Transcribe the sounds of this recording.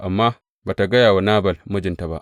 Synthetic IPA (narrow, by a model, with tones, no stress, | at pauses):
ʔa˨mːa˦ | ba˨ta˨ɡa˦ja˨wa˨na˦ba˨lmu˦d͡ʒi˨nta˨ba˦˨ʔ